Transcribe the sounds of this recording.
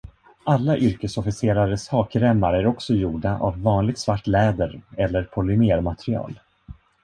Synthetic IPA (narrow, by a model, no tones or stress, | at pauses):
alːaʔʏɾkəsɔfɪseːɾaɾəshɑːkɾɛmːaɾæɾɔksɔjuːɖaʔa̰vːɑːnlɪɡt̪svaʈːlɛːd̪əɾɛlːəɾpʰɔlʏmeːɾmat̪ɾɪɑ̰ːl